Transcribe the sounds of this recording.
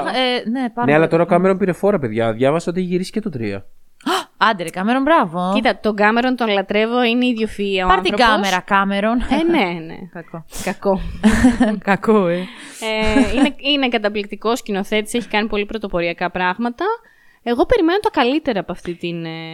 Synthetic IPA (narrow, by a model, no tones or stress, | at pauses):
enepɐneɐlɐt̪o̞ɾɐokɐme̞ɾonpiɾe̞fo̞ɾɐpe̞ðʝɐðʝɐvɐseot̪eçiʝiɾisi̥cet̪o̞t̪ɾḭɐ̰ | ɐnd̪eɾekɐmeɾonbɾɐvocit̪ɐt̪o̞ɡɐme̞ɾo̞nt̪o̞nlɐt̪ɾe̞vo̞ineiðʝjo̞fiɐoɐɐnt̪iθɾoɡɐmeɾɐkɐmeɾonene̞nḛɐkokɐko̞ | kɐkoeeineine̞kɐt̪ɐplik̚t̪iko̞scino̞θe̞t̪i̥seçi̥kɐnipo̞lipɾot̪o̞po̞ɾiɐkɐpɾɐɣmɐt̪ɐ | e̞ɣo̞pe̞ɾime̞not̪ɐkɐlit̪e̞ɾɐːpoɐft̪it̪in